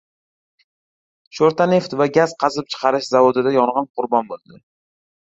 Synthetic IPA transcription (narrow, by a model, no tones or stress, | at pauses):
ʃoɾt̪ʰane̞ft̪vaɡʲaz̥qʰɑzɪp̚t͡ʃʰɨ̥qʰɑɾɪʃzavod̪ɪd̪ajɒɴʁɑnqʰʊɾbɒnbolˠd̪ɪ